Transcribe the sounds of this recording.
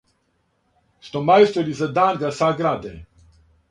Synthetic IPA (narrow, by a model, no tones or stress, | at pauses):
st̪ɔmajst̪ɛlizad̪anɡasaɡɾaːd̪ɛ